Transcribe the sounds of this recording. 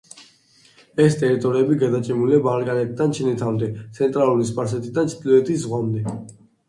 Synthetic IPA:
ɛst̪ʼɛɾit̪ʼɔɾiɛbiɡad̪at͡ʃʼɛmuliabalkʼanɛt̪ʰʼid̪ant͡ʃʰɛnɛt̪ʰavmnd̪ɛt̪sʰɛnt̪ʼɾalˠuɾis̬pʼaɾs̬ɛt̪ʰid̪ant͡ʃʰd̪liɛt̪ʰiszʁwamd̪ɛ

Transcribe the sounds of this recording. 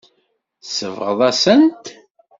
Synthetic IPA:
səvʁəðˤæsənt̪

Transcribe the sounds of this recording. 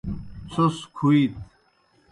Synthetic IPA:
t͡sʰoskʰuit̪

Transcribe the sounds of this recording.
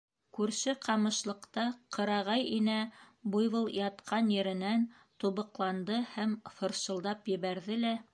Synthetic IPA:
kʉɾʃɘqʰɑmɤ̆ʃlˠɤ̆qt̪ɑqɤ̆ɾɑʁɑjinæ | bujβɤlˠjɑt̪qʰɑnjɘ̆ɾɘ̆næn | t̪uβɤ̆qlˠɑnd̪ɤhæmfɤ̆ɾʃɤ̆lˠd̪ɑpjɘ̆βæɾðɘlæ

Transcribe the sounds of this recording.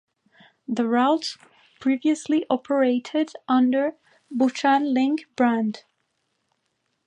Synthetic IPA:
ðəɹaʊts | pʰɹ̥iviɨsliʔɔpʰə˞eɪɾɪdʔʌ̃ndə˞ | but͡ʃãnlɪ̃ŋkb̥ɹæ̃nd̥

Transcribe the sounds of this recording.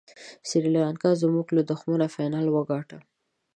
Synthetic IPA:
sɪɾilɑnkɑzmuɡləd̪ʊxmuɾafajnɑlwəɡɑʈa

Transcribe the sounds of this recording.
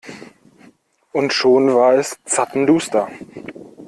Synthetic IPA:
ʔʊntʃoːnvaːɐɛst͡satn̩duːstɐ

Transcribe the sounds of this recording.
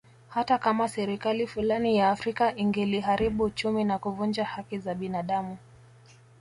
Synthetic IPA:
hatakamasɛɾikalifulanijaːfɾikaʔiŋɡɛliɦaɾiɓuːt͡ʃuminakuvund͡ʒahakizaɓinaɗamu

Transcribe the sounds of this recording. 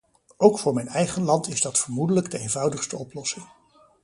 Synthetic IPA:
ʔowkfʊːɹmɛjnɛjχənlɑntɪzdɑtfəɹmudələɡdəejnvɑwdəχstəɔplɔsɪŋ

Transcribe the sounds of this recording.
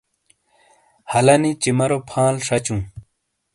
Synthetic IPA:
hɐlɐnit͡ɕimɐɾopʰãːlʂɐt͡ɕũː

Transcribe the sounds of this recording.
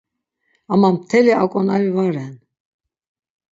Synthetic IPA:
amamt̪ʰɛliakʼɔnaɾivaɾɛn

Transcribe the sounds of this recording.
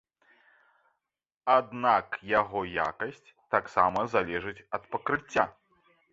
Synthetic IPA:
ad̪nakjaɣɔja̰kɐsʲt͡sʲt̪aksamɐzalʲɛʐɨt͡sʲɐt̪pɐkɾɨt͡sʲːa̰

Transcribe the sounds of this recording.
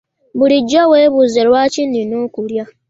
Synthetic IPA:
buliɟːoweːβuzelwaːcininoːkulja

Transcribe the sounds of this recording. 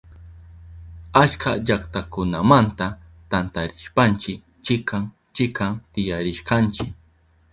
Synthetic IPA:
at͡ʃka̰ʎakt̪akʊnamant̪a | t̪ant̪aɾɪʃpant͡ʃɪk | t͡ʃɪkʰaŋ | t͡ʃɪkaŋt̪ɪjaɾɪʃkant͡ʃɪk

